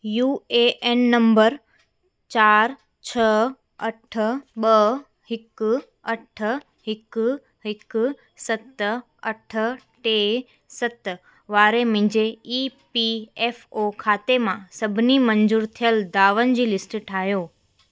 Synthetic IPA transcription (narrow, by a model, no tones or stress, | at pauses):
juːeeːnːɐ̃mbəɾ | t͡ɕaːɾ | t͡ɕʰə | ɐʈʰəɓə | hɪk | ɐʈʰə | ɦɪk | ɦɪk | sɐt̪ | ɐʈʰəʈe | sɐt̪ | ʋaːɾemɪ̃d͡ʑeiːpieːfokʰaːt̪emãsɐbʱɪnimɐ̃ɲd͡ʑuːɾt̪ʰijəld̪aːʋənd͡ʑiːlɪsʈʈʰaːɦjoː